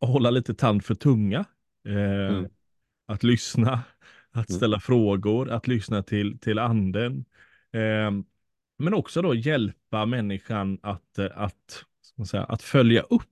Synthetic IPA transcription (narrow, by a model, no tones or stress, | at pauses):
ɦɔlːaliːt̪ət̪ʰand̪fœʈʰɵŋːa | at̪lʏsna | at̪st̪ɛlːafɾoːɡʊɾat̪lʏsnat̪ʰɪlt̪ʰɪland̪ən | mɛnɔksɔd̪ɔjɛlpamɛnːɪɧanat̪at̪askmansɛ̰jːa̰ʔa̰t̪fœlja̰ʔɵpː